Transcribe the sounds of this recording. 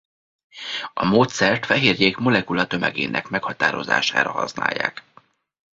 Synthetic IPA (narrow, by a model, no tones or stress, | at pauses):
ɒmoːt̪sɛrt̪fɛɦeːrjeːkmo̞lɛkulɒt̪ø̞mɛɡḛːnʔɛkmɛkhɒt̪aːɾo̞̰za̰ːʃaːɾɒhɒ̰sna̰ːjːa̰ːk